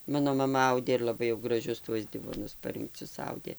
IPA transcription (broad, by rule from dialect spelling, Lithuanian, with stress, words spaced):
ˈmɑːnoː mɐˈmɐ ˈɐʊdʲeː ɪr lˠɐˈbɐɪ jɛʊ ɡrɐˈʒʲʊs tuɔs ˈdʲɪʋoːnʊs pɐrʲɪŋkˈt͡sʲʊs ˈɐʊdʲeː